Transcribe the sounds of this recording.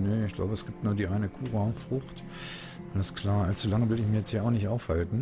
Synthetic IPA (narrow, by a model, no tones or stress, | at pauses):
nəɪçɡ̥la̰ʊbəɛsɡ̥iːp̚tnuːɐdiːʔaɪnəkʰuːʁafʁ̥ʊxt | ʔʔaləskl̥aːɐʔalt͡sulaŋəvɪlɪçmiɐjɛt͡stjiːaʊxnɪçtʔaʊfhaltn̩